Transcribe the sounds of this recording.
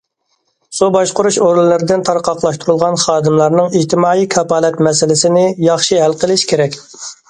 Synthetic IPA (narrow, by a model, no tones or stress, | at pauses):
subɑʃqʊɾuʃoɾllɪɾɪd̪ɪnt̪ʰɑɾqʰɑqlˠɑʃt̪uɾulˠʁɑnχɑːd̪ɨmlˠɑɾnɨŋid͡ʒt̪ʰɪmɑːijkʰɑpɑːlɛt̪mɛsɪlɪsɪnɪjɑχʃiɦælqʰəlˠɪʃkʲʰeɾɛkʲ